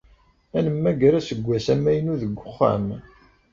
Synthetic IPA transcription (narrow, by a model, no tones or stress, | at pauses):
ænəmːæɡɾæsəɡʷːæsæmːæjənuðəɡʷːʊχːæ̰m